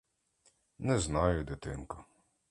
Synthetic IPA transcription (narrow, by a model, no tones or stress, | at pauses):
nɛznɑjʊd̪ɪt̪ɪnkʊ